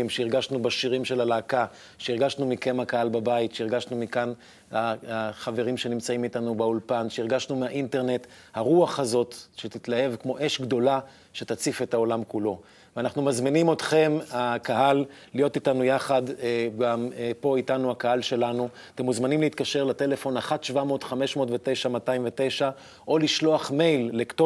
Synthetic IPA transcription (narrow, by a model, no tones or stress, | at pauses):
mʃeiʁɡaʃnubaʃiʁimʃe̞lalaːka | ʃeiʁɡaʃnumikemakahalbabaitʃeiʁɡaʃnumikan | aaχave̞ʁimʃe̞nimt͡saimit̪anubaulpanʃeiʁɡaʃnumeaʔinte̞ʁne̞t | haʁuaχhazo̞tʃet̪itlahe̞vkmo̞ʔe̞ʃɡdo̞la | ʃetat͡sife̞tao̞lamkulo̞ | veanaχnumazminimo̞tχe̞makaɦalː | ijo̞titanujaχadɡampo̞itanuakaɦalʃe̞lanu | at̪e̞muzmanimliit̪kaʃe̞ʁlate̞le̞fo̞naχatʃvamo̞ːtχame̞ʃmo̞ːtvete̞jʃamataimve̞te̞jʃa | ʔo̞liʃlo̞aχme̞jlːekto